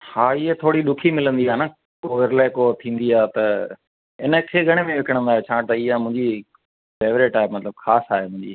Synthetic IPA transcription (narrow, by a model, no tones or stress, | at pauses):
haːɪɦet̪ʰoːɽiɗʊkʰimɪlə̃nd̪iaːna | koːʋɪɾlaːekot̪ʰĩːnd̪iaːt̪ɐ | ɪnəkʰeːɡʱɐɽ̃emẽʋɪkəɽ̃ə̃nd̪aːɦet͡ɕʰãːt̪ɐɪɦamʊ̃ɦɪ̃ɲd͡ʑi | feːʋɾeːʈaːɦemɐt̪ləbxaːsaːɦemʊ̃ɦɪ̃ɲd͡ʑi